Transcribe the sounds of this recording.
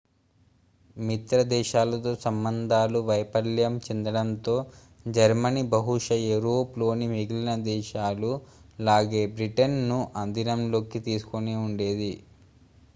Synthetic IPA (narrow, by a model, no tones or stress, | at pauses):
mit̪ɾɐd̪ɛːʃaːlɐt̪o̞ːsɐmbɐnd̪ʱaːluʋɐjpɐljɐmt͡ʃend̪ɐɽɐnt̪o̞ː | d͡ʒɐɾmɐnibɐɦuʂɐeɾoːplo̞ːnimiɡilinɐd̪ɛːʃaːlulaːɡe̞ːbɾiʈɐnːuʔɐnd̪inɐmlo̞ːkit̪iːsu̥koneːuɳɖe̞ːd̪i